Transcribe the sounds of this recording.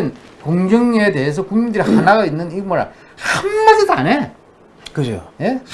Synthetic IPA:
nkoŋɡʌŋede̞es̬ʰʌkuŋmindɯɾihanaɡainːɯnimoɾa̰ | hamːadɯtane | kɯd͡ʑjo̰je̞

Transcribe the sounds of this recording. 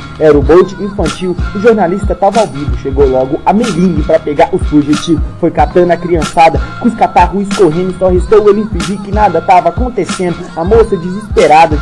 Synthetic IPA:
ɛɾʊbowt͡ʃɪĩfɐ̃nt͡ʃiwʊʒoɾnalist̪ɐt̪avawvivʊʃeɡowlɔɡʊʔɐmelĩnipɾɐpeɡaɾʔʊfuʒet͡ʃifojkat̪ɐ̃nɐkɾiɐ̃sad̪ɐkũskat̪aɦuiskoɦẽnʊssɔɦest̪owelĩfiʒiɾkɪnad̪ɐt̪avɐakõt̪esẽnd̪ʊɐmosɐd͡ʒɪzispeɾad̪ɐ

